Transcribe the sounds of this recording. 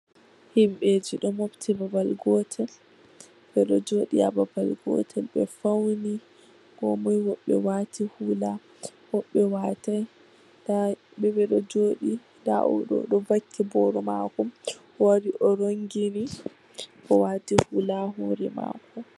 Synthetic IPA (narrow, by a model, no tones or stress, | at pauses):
himɓed͡ʒiɗɔmobtʰibabalɡɔtʰɛl | bɛɗɔd͡ʒoːɗiababalɡɔ̰tʰɛlɓɛ̰fawni | ɡ̥ɔmɔjwɔɓːɛ̰watihula | hɔɓːɛwataj | bɛbɛɗɔd͡ʒoːɗi | da̰ʔɔ̰ɗɔ̰ɗɔvakʰːibɔɾɔmakɔm | waɾiʔɔɾoŋɡini | kɔwaːtihulaɦoːɾima̰ːkʰɔ